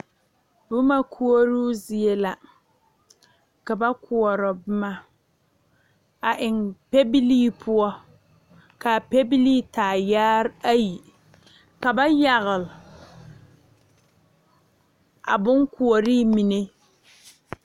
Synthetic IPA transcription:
bʊ˦ma˦kʰu˦o˦ɾu˦zi˨e˦la˨ | ka˨ba˦kʰu˨ɔ˨ɾɔ˨bʊ˦ma˦ | a˨ʔɪ˨ŋpe˦bi˦liː˦pʰʊ˦ɔ˦ | ka˨pɛ˦bi˦liː˦taː˨jaː˦ɾa˦ji˨ | ka˨ba˦ja˨ɣɨ˨l | a̰˨bʊ˦ŋku˨ɔ˨ɾiː˦mi˨ne˦

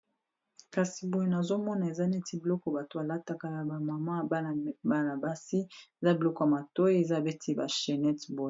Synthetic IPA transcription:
ka˨si˨bo˨˦je˦na˨zo˦mɔ˦na˨e˨za˦ne˦ti˦bi˨lɔ˦kɔ˨ba˨to˨a˨la˦ta˦ka˦ja˨ba˨ma˨ma˦˨bba˦na˨ba˦si˦e˨za˦bi˨lɔ˦kɔ˦ja˨ma˨to˦i˦e˨za˦˨be˦tʰi˦ba˨ʃɛ˨nɛ˦tbo˦je˨

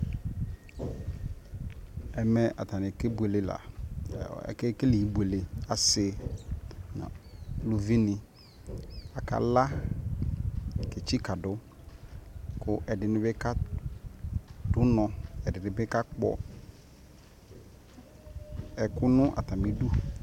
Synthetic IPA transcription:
ɛ˨mɛ˨ʔa̰˨t̪a˨nɪ̃˨ke˦bu˨e˨le˨la̰˨ | ɛ̰˨ke˦ke˦li˨ji˨˦bu˨e˨le˨a˨sɪ˨ | nã̰˨lu˨vi˦nɪ̃˨ | a˨ka̰˦la˦ | ke˨t͡ɕi˦ka˨dʊ˦ | kʊ˦ʔɛ˨dɪ˨nɪ̃˨˦bɪ˦ka˦ | dʊ˦nɔ̃˨ɛ˨dɪ˨nɪ̃˨bɪ˦ka˦k͡pɔ̰˦ | ɛ˨kʊ˦nʊ̃˦ʔa̰˨t̪a˨mɪ̃˨du˦

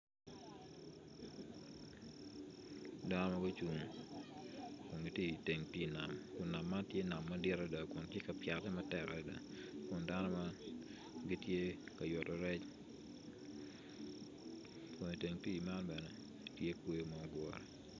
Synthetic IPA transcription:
da˦nɔ˦ma˦ɡo˦t͡ʃu˨ŋ | ko˨nɡi˨tje˦i˨te˨ŋpi˦˨na˨mkʊ˨na˨mːa˦ntje˦na˨mːa˦dɪ˦ɾa˦da˨kʊ˨ntje˦ka˨pja˨tɛ˦ma˦tɛ˨ka˨ɛ˨da̰˨kʊ˨nda˦nɔ˦ma˦ | ɡi˦tje˦ka˨jɔ˨tɔ˨ɾɛ˦t͡ʃ | pwɔ˨ɲi˨te˨ŋpi˦˨ma˦nbɛ˨nɛ˨ | tje˦kwe˦o˦mɔ˨ɡwɔ˦ɾɔ̰˨

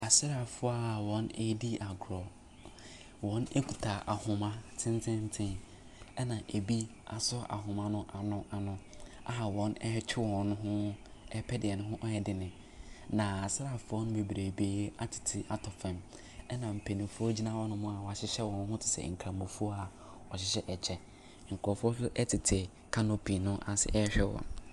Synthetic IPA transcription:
a˨sɪ˦ɾa˨fʊ˦a˦˨wɔ̃˨˦ne˦di˦ʔa˨ɡɾɔ˨ | wɔ̃˦ne˦kʰu˨tʰa˨ʔa˨hʊ̃˨mã˦tʰɪ̃˦n˦tʰɪ̃˦n̩˦tʰɪ̃˦n | ɛ˦nã˨ʔe˨bi˦a˨sɔ˦ʔa̰˨ɦʊ̃˨mã˦nʊ̃˦ʔa˨nʊ̃˦ʔa˨nʊ̃˦a˦a˨wɔ̃˦nɛ˦hɛ˦t͡ɕʰᶣɪ˦wɔ̃˨nːʊ̃˦ɦʊ̃˦ɛ˦pʰɛ˦dɪ˨ɛ˨nʊ̃˦ɦʊ̃˦ʔɔ˦jɛ˨dɪ˨nɪ̃˨ | nã˨a˨sɾa˨fʊ˨˦ɔ˦nʊ̃˦be˨bɾe˨beː˨˦a˦tʰɪ̥˨tʰɪ˨ʔa˦tʰɔ˨fɛ̃˨m | ɛ˦nã˨m̩˨pʰe˨nĩ˨fʊ˦ɔ˦d͡ʑi˦nã˦wɔ˦nʊ̃˦mʊ̃˦a˨wɔ˨a˨ɕɪ˦ɕɛ˦wɔ̃˨n˦ɦʊ̃˦tʰɪ̥˨sɛ̰˨ŋ̩˨kʰã˨mʊ̃˨fu˦ɔ˦a˨ | ɔ˨ɕɪ˨ɕɛ˦ʔɛ˨t͡ɕʰɛ˦˨ | ŋ̩˨kʰɔ˨fɔ˦sʊ˦ʔɛ˦tʰɪ˨tʰɪ˨ | kʰã˦no˨pʰi˨nʊ̃˦ʔa˨sɪ̰˦ʔɛ˦ɕᶣɛ˦wɔ̰̃˨n

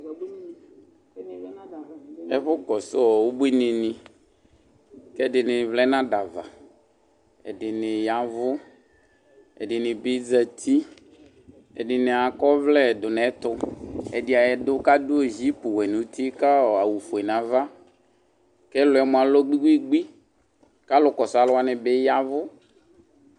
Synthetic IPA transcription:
ɛ˦ɸʊ˦kɔ˨sɔ˦ɔ˨wo˦bu˦i˦nɪ̃˨nɪ̃˨ | kɛ˦˨dɪ˨nɪ̃˨vlɛ˦nã˦da˨va̰˨ | ɛ̰˨dɪ˨nɪ̃˨ja˨vʊ˦ | ɛ̰˨ɖɪ˨nɪ̃˨bɪ˦d͡za˨t̪ʰi˦ | ɛ̰˨dɪ˨nɪ˨a˨kɔ˦vlɛ˦˨dʊ˨nɛ˨˦t̪ʊ˦ɛ̰˨dɪ˨a˨jɛ˨dʊ˦ka˦dʊ˦o˨zi˦pʊ˨wɛ˨nũ˨t̪i˦ka˦ɔ˨a˨wu˨fʊ˨ɛ˨nã˨˦va˦ | kɛ˦lʊ˨˦ɛ˨˦mʊ̃˨a˨lɔ˦ɡ͡bi˦ɡi˦ɡ͡bi˦ | ka˦lʊ˨kɔ˨sa˨lʊ˦a˦nɪ˨bɪ˦ja˦vʊ˦

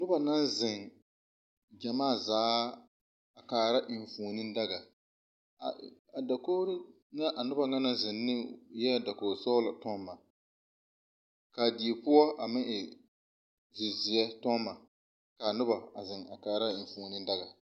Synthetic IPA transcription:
nʊ˦ba˨na˦nzɪ˨ŋ | d͡ʒa˨maː˦˨zaː˨˦ | a˨kaː˨ɾa˦ʔɪ˨ɱ˨fuː˨nɪ˦n˦da˦ɡa˨ | a˨a˨da˨koː˦ɾɪ˦ | ŋa˦ʔa˨nʊ˦ba˨ŋa˦na˦nzɪ˨nːɪ˦jɛ˦˨da˨koː˨ɾsɔ˦la˨tɔ˦mːa˨ | ka˨di˨e˨pʊ˦ɔ˦ʔa˨mɪ˦ŋʔɪ˨ | zɪ˨zɪ˨jɛ˦tɔ˦mːa˨ | ka˨nʊ˦ba˨a˨zɪ˨ŋa˨kaː˨ɾa˦ɪ˨ɱ˨fuː˨nɪ˦nda˦ɡa˨

